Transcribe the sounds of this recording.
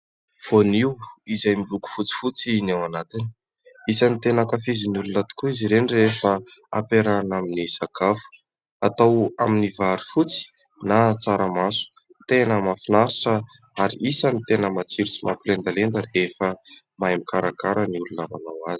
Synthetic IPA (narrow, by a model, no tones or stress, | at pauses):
v̥oniwizajmiruku̥fut͡si̥fut͡sinewanat̪ini̥ | isanit̪enəkafiziniulunat̪i̥kuiziɾenirefə | apeɾanaminiz̥akafu̥ | at̪awaminivaɾifut͡si̥ | nat͡saɾəmasu̥ | t̪enəmafinaɾiʈ͡ʂə | aɾḭʔisənit̪enəmat͡siɾut͡simapilend̪alend̪ərefə | majmikaɾakaɾəniulunama̰nawazi̥